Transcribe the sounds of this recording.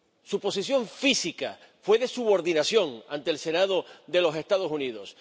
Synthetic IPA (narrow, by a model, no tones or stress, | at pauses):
supo̞sisjõ̞ɱfisika | fwe̞ðe̞suβo̞ɾðinasjo̞ŋa̰nt̪eːlse̞naðo̞ðe̞lo̞se̞st̪aðo̞suniðo̞s